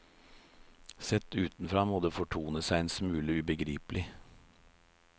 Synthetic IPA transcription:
sɛt̪ʉːt̪n̩fɾɑːmoːd̪eːfɔʈʰuːnəsæɪɛnsmʉːləʉbəɡɾiːpəlɪ

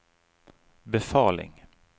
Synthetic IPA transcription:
bɛfɑːlɪ̰ŋ

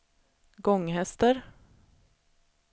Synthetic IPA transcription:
ɡɔŋːhɛst̪əɾ

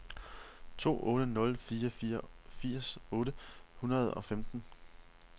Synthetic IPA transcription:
t͡sʰo̝̰ːʔɔ̽ːɾ̥ənɔ̽lfiːɐfiːɐfiɐ̰sɔ̽ːɾəhunɐð̞ˠɒ̽femd̥n̩

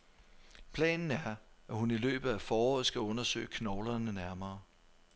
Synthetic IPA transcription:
pʰlɛ̰ːnn̩æɐæhunilø̰ːb̥ð̩ˠæfɒːɒ̰ð̩ˠsɡ̥æɔ̽nɐsø̰ːɪkʰnɒʊlɐnənæɐmɐː

